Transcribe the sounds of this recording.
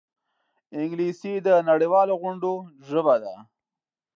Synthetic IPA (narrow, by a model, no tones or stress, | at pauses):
ɪŋɡlisid̪ənaɽiwɑloɣʊɳɖoʒəbad̪a